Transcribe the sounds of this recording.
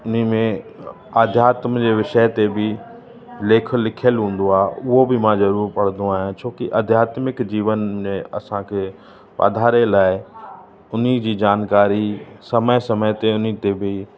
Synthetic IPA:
ʊn̤imẽ | aːd̪ʱjaːt̪md͡ʑeːʋɪʃəɦt̪ebɪ | leːkʰəlɪkʰjəlɦũːn̆d̪oaːʊɦobɪmãzɐɾuːɾpɐɽ̤ə̃nd̪oaːɦijãt͡ɕʰoːkiʔɐd̪ʱjaːt̪mɪkd͡ʑiːʋənmẽɐ̰sãkʰeː | pa̰ːd̪ʱaːɾelaːɪ | ʊn̤id͡ʑiːd͡ʑaːnkaːɾisɐməsɐməjt̪eʊnit̪ebʱɪ

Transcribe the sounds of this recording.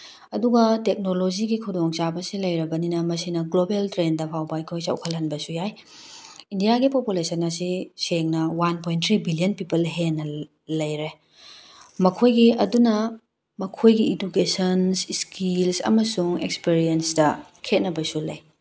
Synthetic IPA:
ɐduɡɐtek̚nolod͡ʒiɡikʰudoŋt͡ʃabɐsilɐjɾɐbɐninɐmɐsinɐɡlobeltɾendɐpʰawbɐɐjkʰojsa̰wkʰɐlɦɐnbɐsujaj | indijaɡipopulesɐnɐsiseŋnɐwanpojntʰɾibilijonpipɐlɦenɐ | lɐjɾe | mɐkʰojɡiɐdunɐ | mɐkʰojɡiidukesɐnsskilsɐ̰mɐsuŋḛkspiɾiensdɐkʰet̚nɐbɐsulɐj

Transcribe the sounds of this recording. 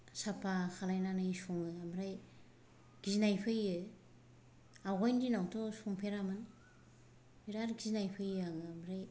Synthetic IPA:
sapʰaxʰalajnanajsuŋɯamɾaj | ɡiznajpʰɯjɯ | aɡɔjndinawtʰɔsuŋpʰeɾamɯn | biɾaɾɡiznajpʰɯjaŋmɾaj

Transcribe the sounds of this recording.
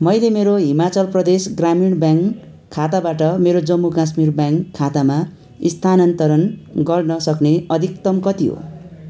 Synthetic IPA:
mʌjlemeɾoɦimat͡sʌlprʌd̪esɡramiɽbjaŋkʰː | at̪abaʈʌmeɾod͡zʌmːukas̬mirbjaŋkʰːat̪ama | ist̪ʰanʌnt̪ʌɾʌnɡʌrnʌsʌkneʌd̪ʱik̚t̪ʌmkʌt̪iɦo̰

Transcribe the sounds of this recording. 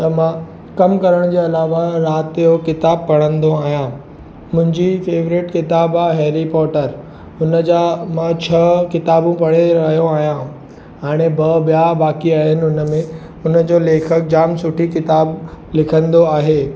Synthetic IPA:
t̪ɐmã | kɐmkɐɾəɽ̃d͡ʑeːɐlaːʋaɾaːt̪ijokɪt̪aːb̚pɐɽ̃ə̃nd̪oaːɦijãː | mʊ̃ɦɪ̃ɲd͡ʑifeːʋɾɪʈkɪt̪aːbaɦeːɾipɔːʈəɾ | ʊnəd͡ʑamãt͡ɕʰɐkɪt̪aːbũpɐɽ̃eɾɐɦijoaːɦijã | aːɽ̃ebɐbjabaːkiaːɦɪnɪ̆ʊnə̆mẽ | ʊnəd͡ʑoːleːkʰək̚d͡ʑaːmsʊʈʰikɪt̪aːblɪkʰə̃nd̪oaːɦeː

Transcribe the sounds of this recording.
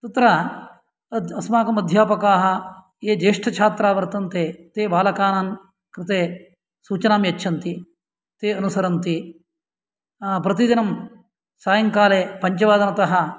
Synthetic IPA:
t̪ɐt̪ɾa | ɐd̪ɐsmaːkɐmɐd̪ʱjaːpɐkaːɦɐ̆ | eːd͡ʒeːʂʈʰɐt͡ʃʰaːt̪ɾaːʋɐɾt̪ɐnt̪eːt̪eːbaːlɐkaːnaːn | kɾɪt̪eː | suːt͡ʃɐnaːmjɐt͡ʃːʃʰɐnt̪i | t̪eːɐnusɐɾɐnt̪i | pɾɐt̪id̪inɐm | saːjɐŋkaːleːpɐɲt͡ʃɐʋaːd̪ɐnɐt̪ɐɦɐ

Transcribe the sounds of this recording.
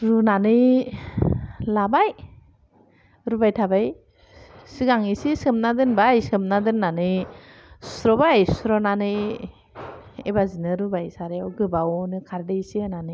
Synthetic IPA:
ɾunanɯj | labaj | ɾubajtʰabaj | sɯɡaŋisisɯmnadɯnbajsɯmnadɯnnanɯ | sɾɔbajssɾɔnanɯ | ḛbazinɯɾubajsaɾeawɡɯbawnɯkʰaɾdesinanɯ

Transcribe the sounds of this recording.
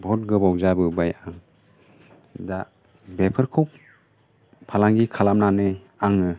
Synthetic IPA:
bʱɔt̚ɡɯbawzabɯbajaŋ | da | bepʰɯɾkʰɔwp | pʰalaŋɡikʰalamnanɯ | aŋɯ

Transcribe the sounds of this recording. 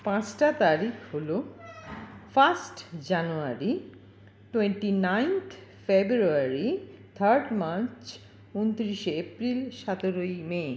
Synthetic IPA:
pãt͡ɕʈat̪aɾikʰholo | fasʈd͡ʑanuaɾi | ʈweɳʈinajnt̪ʰfebɾuaɾit̪ʰaɾɖmaɾt͡ɕ | unt̪ɾiʃeepɾilʃat̪oɾojmeː

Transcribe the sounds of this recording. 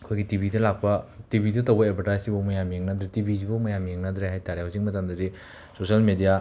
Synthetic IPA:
ɐkʰojɡitibidɐlak̚pɐtibʱidɐtowbɐebʰʱɐɾtajsibɐmɐjamjeŋnɐdɾetibizibɐmɐjamjeŋnɐd̪ɾeɦajtaɾeɦaziŋmɐtɐmdɐdi | sosɐlmedija

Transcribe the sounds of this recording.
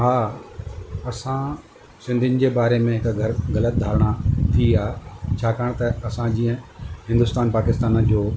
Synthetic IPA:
ɦaː | ɐsã | sɪ̃nd̪ʱɪnɪ̆d͡ʑeːbaːɾemẽɦɪkɡʱɐɾɣɐlət̪̚d̪ʱaːɾɽ̃at̪ʰiaːt͡ɕʰaːkaːɽ̃t̪ɐɐsãd͡ʑĩːə̃ɦɪ̃nd̪ʊst̪aːnpaːkɪst̪aːnd͡ʑoː

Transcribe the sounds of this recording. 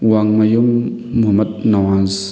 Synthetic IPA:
waŋmajumːuhmɐt̪̚nawanz

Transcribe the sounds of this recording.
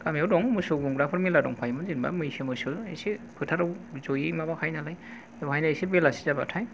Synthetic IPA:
kamiawdɔŋmɯsɯɡuŋɡɾapʰɔɾmiladɔ̰ŋpʰajmɯzinba̰mɯjsimɯsɯesipʰɯtʰaɾawzojimabakʰajnalaj | awhajnaesibelasi̥zaba̰tʰaj

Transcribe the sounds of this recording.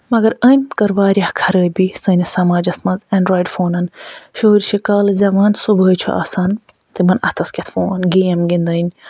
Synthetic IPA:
mɐɡɐɾəmʲkɐɾwaːɾijahkʰɐɾəːbisɐːnisɐmaːd͡ʒɐsmɐnzɐnɖɾaːjɖfoːnɐnʃoːɾiʃikaːlzɐmaːnsubəːt͡ʃʰo̰ʔa̰san | t̪imɐnɐ̰t̪ʰɐskʲet̪ʰfoːnɐnɡijɐmɡind̪ɐinʲ

